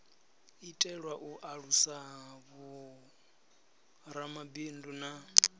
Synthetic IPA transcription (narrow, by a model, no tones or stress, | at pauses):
itʼɛɺwaʔuʔaɺusaɦaβu | ɾamabinduna